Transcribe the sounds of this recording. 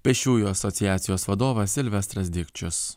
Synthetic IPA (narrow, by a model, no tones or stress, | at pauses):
pʲɛʃʲuːjuːɐsɔt̪sʲɪjæːt̪sʲɪjoːsʋɐd̪oːʋɐsʲɪlʲʋʲɛst̪ɾɐzʲd̪ʲɪkʲt͡ʃʲʊs